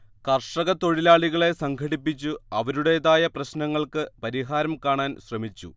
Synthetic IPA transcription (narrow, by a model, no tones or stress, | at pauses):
kɐrʂɐɣɐt̪o̞ɻilaːɭiɣɐɭe̞sɐŋkʰɐɽipːit͡ɕːuɐʋɐɾuɽe̞jðaːjɐprɐɕnɐŋːɐɭkɨpɐɾiɦaːɾɐmkaːɳaːnɕrɐmit͡ɕːṵ